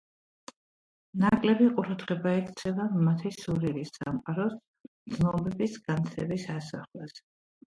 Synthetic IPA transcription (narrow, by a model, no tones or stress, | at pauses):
nakʼlɛbiqʼuɾad̪ʁɛbaɛkʰt̪sʰɛvamat̪ʰisuɾilisːamqʼaɾɔs | md̪znɔbɛbisɡant̪sʰɛbisasaχlas